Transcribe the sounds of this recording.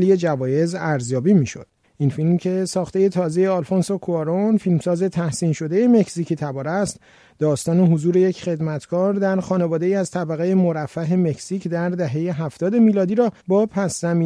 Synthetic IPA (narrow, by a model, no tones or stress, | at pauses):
lije̞d͡ʒævɒːje̞zæɾzjɒːbiːmiːʃo̞̰d̪̥̚ | ʔinfilmcʰe̞sɒːxt̪e̞je̞t̪ʰɒːze̞je̞ɒlfonsokʰoɑɾonfilmsɒːze̞t̪ʰæhsiːnʃo̞d̪e̞je̞me̞cʰsicʰit̪ʰæbɒːɾæst̪ | d̪ɒːst̪ɒːneɦozuːɾe̞je̞cʰχe̞d̪mæt̪ʰkʰɒːɾd̪æɾxɒːne̞vɒːd̪e̞iːæzt̪ʰæbæɣeje̞moɾæfːæɦe̞me̞csiːcd̪æɾd̪æɦe̞je̞ɦæft̪ɒːd̪e̞miːlɒːd̪iːɾɒːbɒːpʰæszæmi